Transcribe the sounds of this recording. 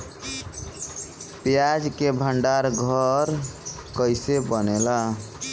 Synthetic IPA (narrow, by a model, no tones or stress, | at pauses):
pjad͡ʒkebʱəɳɖaɾɡʱəɾ | kəjsebənela